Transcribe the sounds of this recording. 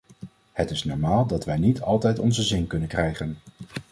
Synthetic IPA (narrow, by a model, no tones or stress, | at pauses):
hətɪsnɔɹmaːlˠdɑtʋɛjnitʰɑlˠtɛjtɔnzəzɪnkɵnənkrɛjχən